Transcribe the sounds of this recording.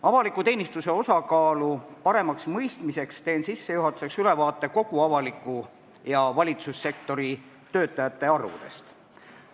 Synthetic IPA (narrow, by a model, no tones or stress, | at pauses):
ɑvɑlikːˑut̪e̞ːnʲist̪use̞o̞sɑkɑːlupɑɾe̞mɑksmɤjst̪mise̞kst̪e̞ːnsisːe̞juɦɑt̪ːˑu̥se̞ksyle̞vɑːt̪ːˑe̞ko̞ɡ̥uɑvɑlikːˑu | jɑvɑlʲit̪susːe̞k̚t̪o̞ɾi | t̪ø̞ːt̪ˑːɑjɑt̪ːe̞ɑrvṵd̪e̞̰st̪